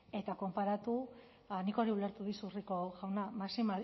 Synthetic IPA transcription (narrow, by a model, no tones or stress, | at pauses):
e̞t̪ako̞mpaɾat̪u | niko̞ɾiule̞ɾt̪uðisuriko̞ɣawnamasimal